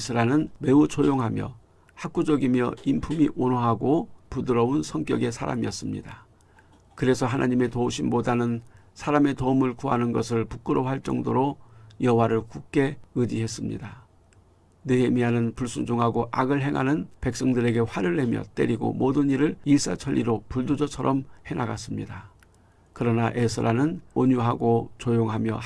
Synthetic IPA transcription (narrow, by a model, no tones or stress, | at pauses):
sʰɯɾanɯnme̞ut͡ɕʰojoŋɦamjʌ̰ | hak͈̚ud͡ʑʌɡimjʌimpʰumiʔonoɦaɡopudɯɾʌunsʰʌŋk͈jʌɡe̞sʰaɾa̰miʌs͈ɯmɲḭda | kɯɾe̞sʰʌɦanʔaɲime̞touɕʰimbodanɯn | sʰaɾame̞tomɯɭkuɦa̰nɯnɡʌsʰɯɭpuk͈ɯɾoɦaɭt͡ɕ͈ʌŋdoɾojʌwaɾɯɭkuk̚k͈e̞ɯd͡ʑiɦe̞s͈ɯmɲḭda | nɯɦe̞miɦanɯnpuɭs͈ud͡ʑuŋɦaɡoʔaɡɯɭɦe̞ŋɦanɯnpe̞k̚s͈ʌŋdɯɾe̞ɡe̞ɸwaɾɯɭːe̞mjʌ̰t͈e̞̰ɾiɡo̰modɯɲiɾɯɭis͈a̰t͡ɕʰʌʎːiɾopuɭdud͡ʑʌt͡ɕʰʌɾʌmhe̞ŋaɡas͈ɯmɲida | kɯɾʌnaʔesʰɯɾanɯnoɲuɦaɡot͡ɕojoŋɦamjʌ